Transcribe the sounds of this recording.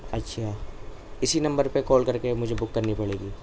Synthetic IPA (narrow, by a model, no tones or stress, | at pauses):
ɐtːʃʰa | ɪsinɐ̃mbəɾpekɔːlkɐɾkemʊd͡ʒʱebʊkːɐɾnipɐɭeːɡiː